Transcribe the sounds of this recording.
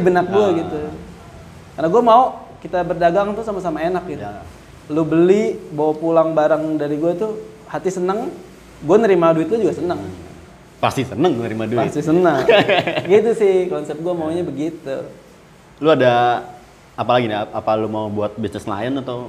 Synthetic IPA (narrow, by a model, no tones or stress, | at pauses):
ibənak̚ɡuaɡit̪u | karnaɡuamaokit̪abərdaɡaŋt̪usamasamaenak̚ɡit̪ | lubəlibawapulaŋbaɾaŋdaɾiɡuat̪u | hat̪isənəŋ | ɡuanəɾimaduɪt̪̚lʊd͡ʒuɡasənəŋ | past̪isənəŋnəɾimadupast̪isənəŋɡit̪̬usɪhkɔnsɛp̚ɡuamaoɲabəɡit̪ṵ | luada | apalaɡinapalumaobuat̪̚bisnɪsla̰ɪnat̪o